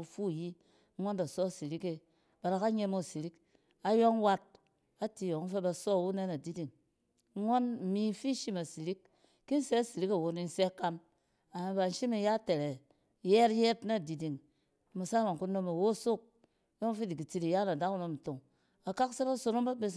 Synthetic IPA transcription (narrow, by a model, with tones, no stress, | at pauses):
u˧fu˦˨ji˦ | ŋo˦nda˨sɔ˦˨si˨ɾi˦ke˧ | ba˨ɾa˨ka˦ɲe˦˧mo˦˨si˨ɾi˦k | a˨jo˦ŋ˦wa˦t̚ | a˦ti˧jo˨ŋ̩˦fe˦ba˧sɔ˦˨wu˦ne˦na˨di˦di˨ŋ˦ | ŋʷo˦n̩˨mi˦fi˦ʃi˦ma˨si˨ɾi˦kː | i˦n˦se˦˨si˨ɾi˦ka˨wo˨ni˧n̩˦se˦ka˧m | a˨mi˨ba˨n̩˦ʃi˦mi˨ja˦te˨ɾe˨ | je˦ɾjɛ˦tna˦˨di˨di˨ŋ˦ | mu˨sa˦ma˨ŋ˨ku˦no˦˧me˨wo˦˨so˦˨k̚ | jo˦ŋ˦fi˦di˨ki˨t͡si˧ɾi˨ja˦na˨da˦ku˦no˧m̩˨to˨ŋ | a˨ka˦kse˦ɾa˦˨˦so˧no˦mba˦be˦s